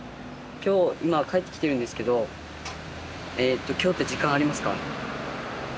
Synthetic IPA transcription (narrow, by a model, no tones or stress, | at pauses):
kʲo̞ːimakaet̪ːe̞kʲi̥t̪e̞ɾɯ̟̃nd̪esɨ̥ke̞d̪o̞ | eːt̪ːo̞kʲo̞ːt̪ːe̞ʑikːãɰ̃aɾʲimasɨ̥ka̰